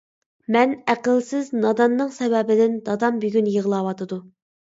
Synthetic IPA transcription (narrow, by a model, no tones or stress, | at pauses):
mɛnæqəlˠsɪznɑd̪ɑnːɨŋsɛvɛbɪd̪ɪnd̪ɑd̪ɑmbyɡʲynjəʁlˠɑwɑt̪ʰɨd̪u